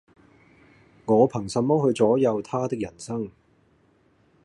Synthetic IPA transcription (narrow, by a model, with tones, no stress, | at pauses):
ŋɔː˨˧pʰɐ˨˩ŋsɐ˨˧mɔː˥hɵ˧ɥt͡sɔː˨˥jɐ˨˧wt̪ʰaː˥t̪ɪ˥k̚jɐ˨˩nsɐ˥ŋ